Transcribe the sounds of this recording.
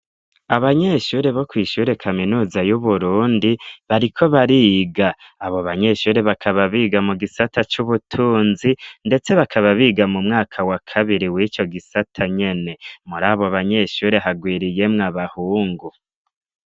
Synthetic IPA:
aβaɲe̞ʃuːɾe̞βo̞kwiːʃuːɾe̞kʰaminuːzajuβuɾuːndiβaɾikʰo̞βaɾiɡaː | βo̞βaɲe̞ʃuːɾe̞βakʰaβaβiːɡamuɡisatʰat͡ʃuβutʰuːnzinde̞t͡se̞βakʰaβaβiːɡamumŋaːkʰawakʰaβiɾiwiːt͡ʃo̞ɡisatʰaɲe̞ne̞muɾaːβo̞βaɲe̞ʃuːɾe̞ɦaɡwiːɾije̞mŋaβahuːŋɡu

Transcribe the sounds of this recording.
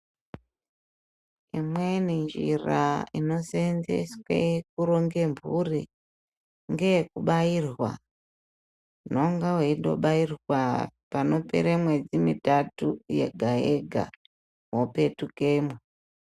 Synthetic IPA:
imwenind͡ʒiraino̞senzḛswḛk̚uɾoŋɡe̞mbʱurḭ | ŋɡekuɓairwa̰ | noŋɡaweindo̞̰ɓairwapano̞pḛɾemwe̞d͡zimitatujḛɡʱaeɡʱa̰ | wope̞tukeːmwe

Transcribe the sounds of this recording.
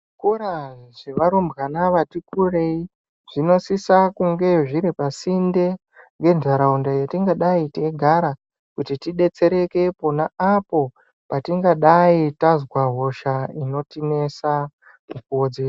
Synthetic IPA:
ʐikuɾaʐ̥e̞ʋaɾombɣanaʋatikure̞i | ʐ̥ino̞sisakuŋɡe̞ʐiɾipasinde̞ | ŋɡe̞nʐaɾaundajatiŋɡaɗaiteɡʱaɾa | kutitiɗe̞t͡se̞ɾe̞ke̞po̞naapo̞ | patiŋɡaɗaitazwaɦo̞ʃaino̞tine̞sa | mukoːd͡zi

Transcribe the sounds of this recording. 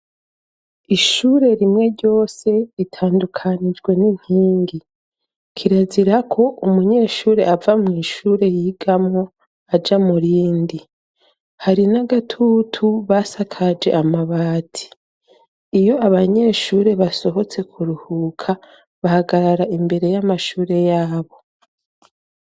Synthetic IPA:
iʃuːɾe̞ɾimŋe̞ɾɟo̞ːse̞itʰaːndukʰanid͡ʒɡwe̞nin̥hiːŋɡi | kʰiɾaziɾakʰo̞ʔumuɲe̞ːʃuːɾe̞ʔavamŋiːʃuːɾe̞jiːɡamŋo̞ | ad͡ʒamuɾiːndi | haɾinaɡatʰutʰuβasakʰad͡ʒe̞̰ʔamaβaːtʰi̥ː | jo̞aβaɲe̞ːʃuːɾe̞βaso̞ɦo̞t͡se̞kʰuɾuhuːkʰa | βahaɡaɾaɾaʔimbe̞ɾe̞jamaʃuːɾe̞jaːβo̞

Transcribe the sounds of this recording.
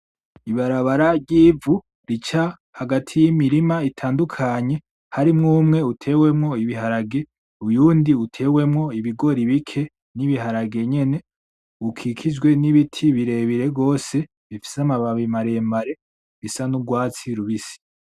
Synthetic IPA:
iβaɾaβaɾaɾɟiːvu | ɾit͡ʃa | haɡatʰijimiɾimaitʰaːndukʰaɲe̞ | haɾimŋuːmŋe̞utʰe̞ːwe̞mŋo̞iβiɦaɾaɡe̞ | ujuːndiutʰe̞ːwe̞mŋo̞iβiɡo̞ɾiβikʰe̞ | niβiɦaɾaɡe̞ɲe̞ne̞ | ukʰikʰid͡ʒɡwe̞niβitʰiβiɾe̞ːβiɾe̞ɡo̞ːse̞ | βifi̥samaβaβimaɾe̞mbaɾe̞ | βisanuɡwaːt͡siɾuβisi̥

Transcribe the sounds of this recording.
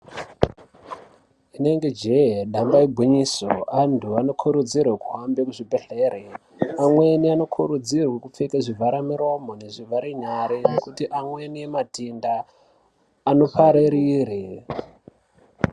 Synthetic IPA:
ine̞ŋɡe̞d͡ʒejeɗambaiɡʱiɲisoantʰuano̞kʰuɾud͡zirwekuɦambekuʐibʱeɬeːre | amwe̞niano̞kʰuɾud͡zirwekup͡fekaʐivʱaɾamiɾo̞mo̞ne̞ʐivʱaɾeɲaɾenekutiʔamwe̞nijematindaː | no̞paɾeɾiɾe

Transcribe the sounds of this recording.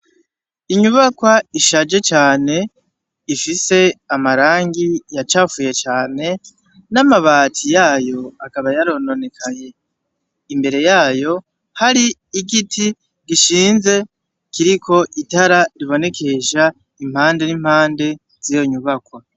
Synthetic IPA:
iɲuβakwaiʃad͡ʒe̞t͡ʃaːne̞ | ifise̞amaɾaːŋɡijat͡ʃaːfuːje̞t͡ʃaːne̞ | namaβaːtʰijaːjo̞akaβajaɾono̞ne̞kʰaje̞ | imbe̞ɾe̞jaːjo̞ | haɾiiɡitʰi | ɡiʃiːnze̞ | kiɾikʰo̞ʔitaɾaɾiβo̞ne̞kʰe̞ʃa | im̥haːnde̞nim̥haːnde̞ | z̥ijo̞ɲuβakwa

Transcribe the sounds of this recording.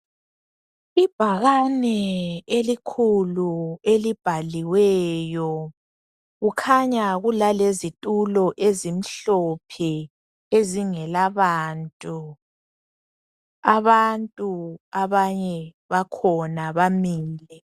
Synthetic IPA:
ib̥ʱaɣanɛelikʰuluelib̥ʱaliwɛːjɔ | ɣukʰaɲaɣulalezitʼulɔʔezim̩ɬɔpʰɛ | eziŋɛlaβaːntʼu | aβantʼuaβaɲɛ | βakʰɔnaβamiːlɛ

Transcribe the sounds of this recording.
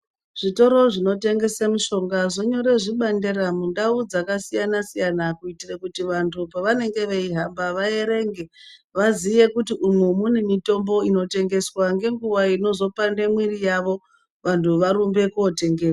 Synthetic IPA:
ʐ̥ito̞ɾo̞ʐino̞te̞ŋɡe̞semuʃo̞ŋɡaʐo̞ɲo̞ɾe̞ʐiɓanderamundaud͡zakasijanasijanakuitirekutiʋantʰupaʋane̞ŋɡe̞ʋeiɦambaʋae̞ɾe̞ŋɡe̞ʋazie̞kutiʔumwemunemito̞mbo̞ino̞te̞ŋɡe̞swaŋɡe̞ŋɡuwaino̞zo̞pandemwirijaʋo̞ | ʋantʰuʋaɾumbe̞kuote̞ŋɡe̞ːwa

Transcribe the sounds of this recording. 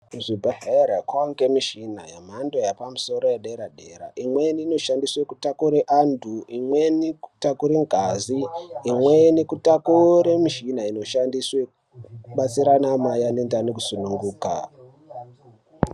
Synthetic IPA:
ʐibʱaɦeɾakwoŋɡemiʃina̰jam̤andojapamuso̞ɾo̞jeɗeɾaɗeɾa̰ʔimweniːno̞ʃandiswekutakuɾeʔandʱuimweniku̥takuɾeŋɡʱaziːmwenekutakuɾemiʃinaino̞ʃandiswekuuɓat͡siɾanamajanendanekusunuŋɡuːka̰

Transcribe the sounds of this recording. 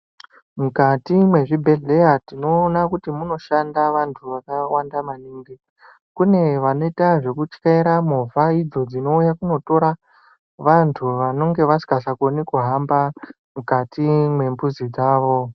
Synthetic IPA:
mukatimwe̞ʐibʱe̞ɮe̞jatino̞ːnakutimuno̞ʃandaʋantʰuʋakawandamaniːŋɡi | kune̞ʋano̞itaʐe̞kut͡ʃkaiɾamovʱaid͡zo̞d͡zino̞ujakuno̞to̞ɾa | ʋantʰuʋano̞ŋɡe̞ʋasi̥kasakonikuɦamba | mukatimwe̞mbuzid͡zaːʋo̞

